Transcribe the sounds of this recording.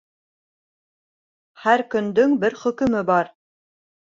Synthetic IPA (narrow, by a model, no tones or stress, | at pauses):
hæɾkɵ̆nd̪ɵŋbɘɾχɵ̆kɵ̆mɘbɑɾ